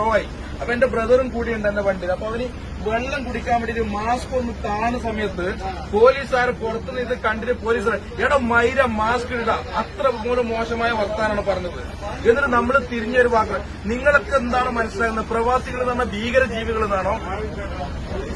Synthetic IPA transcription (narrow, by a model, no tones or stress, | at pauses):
oːaji | ɐpoende̞brɐðɐrumkuːɽijuɳɖɐnːeʋɐɳɖilːɐpːoːɐʋɐnɨ | ʋe̞ɭːɐmkuɽikʲːaːmɐɽɐiɾumaːsko̞nːɨkaːɳɐsɐmɐjɐt̪ːɨpo̞ːliːsaːɾeporɐt̪ːunːɐiðɨkɐɳɖiɾɐpo̞ːliːs̬aːɾ | eːɽɐmɐjɾɐmaːskiuɽɐɐt̪rɐmuːlɐmːo̞ːɕɐmaːjɐʋɐrt̪aːnaːɳɨpɐrɐɲːɐðɨ | enːɐnɐmːɐɭt̪iɾiɲːɐo̞ɾuʋaːkːɐ | niŋːɐɭokːeend̪aːɳoːmɐnɐsilaːkːnːɐðɨprɐʋaːsiɣɐɭenːɐnːɐbʱiːɣɐɾɐd͡ʑiːʋiɣɐɭenːaːɳoː